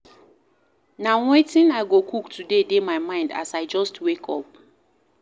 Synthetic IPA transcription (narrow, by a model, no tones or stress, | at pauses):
nawetĩnaɪɡokʰuktʰudedemaɪmãɪ̃nda̰saɪd͡ʒɔstwekʰɔ̰p̚